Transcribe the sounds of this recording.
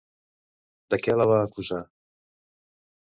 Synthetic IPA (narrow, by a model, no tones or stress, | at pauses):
d̪əkɛləβaːkuza